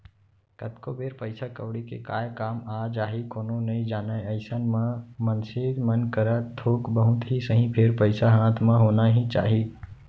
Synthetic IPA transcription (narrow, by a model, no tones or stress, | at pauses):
kət̪kobeːɾpəɪsakəʋɽikḛkaːjkaːmaːd͡ʒaːɦikoːnonɐɦĩd͡ʒaːnaeəɪsənmãmənseːd̪mənkəɾat̪ʰoːkbəɦʊ̃t̪ɦisəɦĩpʰɪɾpəɪsaɦãːt̪ʰmãɦoːnaɦĩt͡ʃa̰ːɦiː